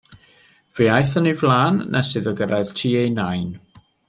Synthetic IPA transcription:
v̥iajθənivlˠaːnːasɨðəɡəɾʔað̥tʰiːejnajn

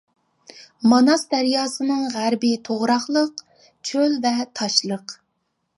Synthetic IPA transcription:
mɑnɑsd̪æɾjɑːsɨnɨŋʁæɾbɪt̪ʰoʁɾɑχlˠəq | t͡ʃʰølvɛt̪ʰɑʃlˠəq

